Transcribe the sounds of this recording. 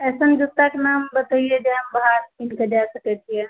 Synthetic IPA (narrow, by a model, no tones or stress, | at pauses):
esənd͡ʒut̪akenambət̪əijed͡ʒeɦəmbɦaɾpinked͡ʒasəkət̪ʰije